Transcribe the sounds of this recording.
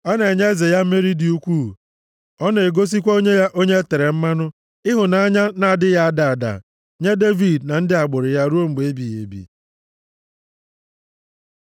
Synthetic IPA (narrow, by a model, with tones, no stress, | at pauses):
ɔ˦ne˨e˨ɲe˦e˦ze˨ja˦m̩˦me˦ɾi˦di˨u˦kʷuː˦˨ | ɔ˦ne˨ɡo˦s̬i˦kʷa˦o˦ɲe˦ja˦ʔo˦ɲe˦e˦te˨ɾe˨m̩˦ma˦nʊ˦ | ɪ˦ɦʊ˨na˦ɲa˦na˨a˨dɪ˦ja˦a˦da˨a˨da̰˨ | ɲe˦de˦vi˨dna˨n̩˦dɪ˦a˨ɡ͡bʊ˨ɾɪ˨ja˦ɾu˦o˦ŋ͡m̩˨ɡ͡be˦bi˨jḛ˨bḭ˨